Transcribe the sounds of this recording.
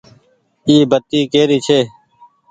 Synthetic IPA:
iːbət̪iːkeːɾiːt͡ʃʰeː

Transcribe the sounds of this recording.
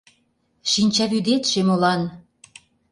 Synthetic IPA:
ʃinʲt͡ɕɑβyd̪et̪ʃemolɑn

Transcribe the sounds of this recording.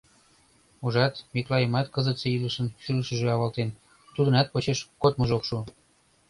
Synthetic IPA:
uʒɑt̪miklɑjəmɑt̪kəzət̪seiləʃənʃyləʃə̆ʒeɑβɑlt̪en | t̪ud̪ə̆nɑt̪̚pot͡ɕeʃkot̪mə̆ʒokʃu

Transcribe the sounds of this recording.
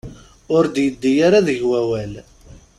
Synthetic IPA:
ʊɾd̪jəd̪ːijaɾaðəʝwæwæl

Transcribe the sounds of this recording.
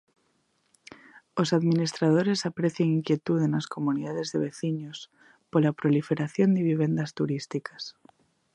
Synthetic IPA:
osaðminist̪ɾað̞oɾesapɾeθjeŋiŋkje̞t̪uðenasko̞muniðaðezðeβ̞eθiɲos | polapɾolifeɾaθjond̪eβ̞iβe̞nd̪ast̪uɾist̪ikḁs

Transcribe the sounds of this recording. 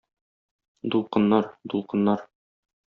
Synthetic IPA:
d̪ulˠqɤ̆nːɑɾd̪ulˠqɤ̆nːɑɾ

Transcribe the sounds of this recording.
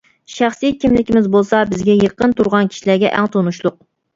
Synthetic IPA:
ʃæχsijkʲimlɪkʲimɪzbolˠsɑbɪzɡʲɛjəqːənt̪ʰuɾʁɑnkʲʰi̥ʃilæɾɡʲɛʔæ̰ŋt̪ʰonuʃlˠʊq̚

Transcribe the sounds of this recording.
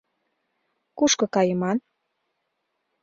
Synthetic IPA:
kuʃkɤ̆kɑjəmɑn

